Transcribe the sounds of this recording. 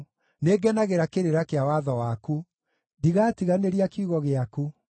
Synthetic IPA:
neɡɛnaɣeɾakeɾeɾakeawaðɔwaku | diɣatiɣaneɾiakiuɣɔɣeaku

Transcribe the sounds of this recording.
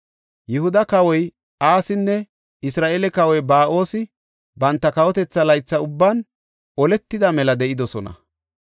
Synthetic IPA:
jɪhʊd̪ɐkɐwɔj | ʔaːsɪnːɛ | ʔɪsɾaːʔeːlɛkɐwɔjbaːʔo̞ːsɪ | bɐnt̪ːɐkɐwɔt̪ɛt͡sːɐlɐjt͡sːɐʊbːɐn | ʔɔlɛt̪ːɪd̪ɐmɛlɐd̪ɛʔɪd̪ɔsɔnɐ̰

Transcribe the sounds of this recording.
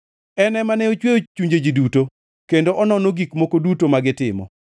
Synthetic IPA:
ɛnɛmanɛot͡ʃweot͡ʃuɲd͡ʒed͡ʒiduto | kendoʔɔnɔnoɡikmokodutomaɡɪtɪmɔ̰

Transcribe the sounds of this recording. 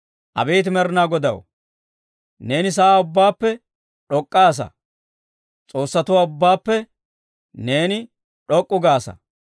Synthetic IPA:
ʔɐ̰beːt̪̬ɪmɛɾnaːɡɔd̪ɐ̰w | ne̞ːnɪs̬aːʊbːaːpːɛ | ᶑɔkʼːaːs̬ɐ̰ | t͡sʼo̞ːsːɐt̪ʊwaːʊbːaːpːɛ | ne̞ːnɪ | ᶑɔkʼːʊɡaːsɐ̰

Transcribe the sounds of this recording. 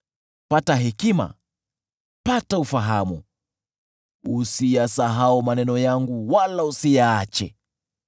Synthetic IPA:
pataɦɛkima̰ | pataufaɦamṵ | usijasaɦaumanɛnɔjaŋɡuwalausijaat͡ʃɛ̰

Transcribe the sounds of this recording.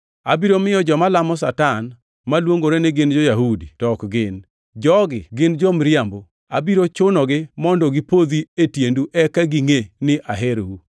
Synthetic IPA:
a̰biɾomɪjɔd͡ʒɔmalamɔsatan | malwoŋɡoɾeneɡɪnd͡ʒojaɦuditɔkɡɪn | d͡ʒɔɡɪɡɪnd͡ʒomɾɪambo | abiɾot͡ʃʊnɔɡɪmɔndɔɡɪpod̪ietjenduʔɛkaɡiŋenɪʔaɦeɾu

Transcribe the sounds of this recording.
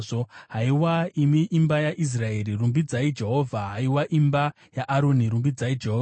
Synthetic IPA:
oɦaiwaimiʔimbajaʔis̬rae̞ːrirumbid͡zaid͡ʒe̞ɦo̞ːvʱaɦaiwaʔimba | jaʔaɾoniɾumbid͡zaid͡ʒeɦoː

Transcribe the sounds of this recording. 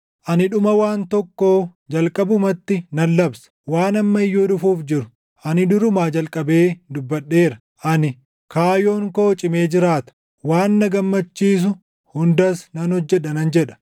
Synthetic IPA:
ʔɐnɪᶑʊmɐwaːnt̪ɔkːoːd͡ʒɐlkʼɐbʊmɐt̪ːɪnɐnːɐbsɐ̥waːnɐmːɐɪjːoːᶑʊfuːfd͡ʒɪɾʊ̥ | ʔɐnɪd̪ʊɾʊmaːd͡ʒɐlkʼɐbeːd̪ʊbːɐɗːe̞ːɾɐ | ʔɐnɪ | kaːjoːŋkoːt͡ʃʼɪme̞ːd͡ʒɪɾaːt̪ɐ̥ | waːnːɐɡɐmːɐt͡ʃːiːs̬ʊ | hʊnd̪ɐsnɐnhɔd͡ʒːɛᶑɐnɐnd͡ʒɛᶑɐ̥

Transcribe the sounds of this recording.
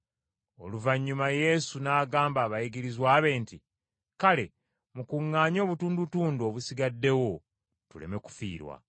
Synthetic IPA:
o̞̰luvaɲːumaje̞sunaːɡaːmbaːβajiɡiɾizwaːβe̞ːnti | kale̞ | mukuŋːaːɲo̞ːβutuːndutuːndo̞ːβusiɡadːe̞wo̞ | tule̞̰me̞ku̥fḭːɾwa̰

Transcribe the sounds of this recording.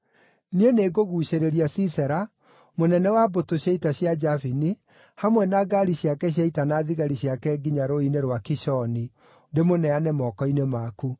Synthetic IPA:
nieneːɡoɣuːʃeɾeɾiasisɛɾa | monɛnɛwabotoɕjaitaɕjad͡ʒafini | hamwɛnaɡaɾiɕjakɛɕ̬jaitanaðiɣaɾiɕjakɛːɡiɲaɾoineɾwakiʃɔni | ndemonɛanɛmɔkɔinemaku

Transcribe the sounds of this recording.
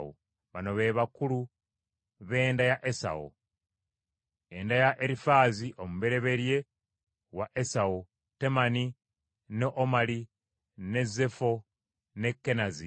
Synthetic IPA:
o̰ | βano̞βe̞βakulu | βe̞ːndajaʔesa̰o̰ | e̞ndajaʔeɾifaːziʔomuβe̞ɾe̞βe̞ɾje̞ | waʔesao | te̞mani | neʔomali | ne̞ze̞fo̞ | ne̞kːe̞nazi

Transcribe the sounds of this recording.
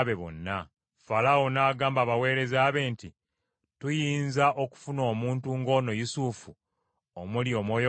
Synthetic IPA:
βe̞βo̰nːa | falawonaːɡaːmbaβawe̞ːɾe̞zaːβe̞ːnti | tujiːnzaʔo̞ku̥funo̞ːmuːntuŋɡo̞ːno̞jusufu | omuljo̞mwo̞ːjo

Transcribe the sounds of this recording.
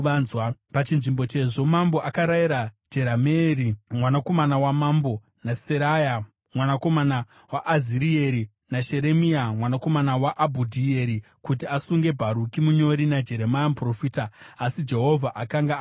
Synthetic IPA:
azwapat͡ʃinʐimbo̞t͡ʃe̞ʐo̞mambo̞ʔakaɾaiɾad͡ʒe̞ɾameɾimwanako̞manawamambo̞ | naseɾaja | mwanako̞mana | waʔaziɾieɾi | naʃe̞ɾe̞miamwanako̞manawaʔabʱudʱieɾi | kutiasuŋɡe̞bʱaɾukimuɲo̞ɾinad͡ʒe̞ɾe̞majamupro̞fiːtaːsid͡ʒe̞ɦo̞vʱaʔakaŋɡa

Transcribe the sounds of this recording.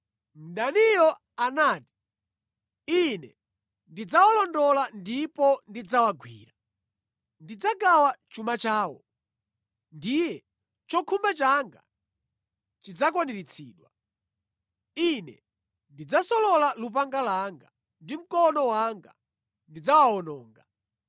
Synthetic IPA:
m̩ɗanijɔ | anaːti̥ | inɛ | ndid͡zawalɔndɔlandipɔndid͡zawaɡwḭːɾa | ndid͡zaɡawat͡ʃumat͡ʃaːwɔ̰ | ndijɛ | t͡ʃɔkʰumbat͡ʃaŋɡa̰ | t͡ʃid͡zak̬waniɾit͡sʰḭːɗwa | inɛ̰ | ndid͡zasɔlɔlalupaŋɡalaŋɡa | ndim̩kɔnɔwaŋɡa̰ | ndid͡zawaɔnɔːŋɡa

